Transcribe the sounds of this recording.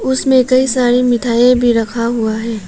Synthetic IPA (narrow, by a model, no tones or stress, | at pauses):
ʊsmẽkɐisaːɾimɪt̪ʰaːjẽbʱiɾɐkʰaɦuaɦɛː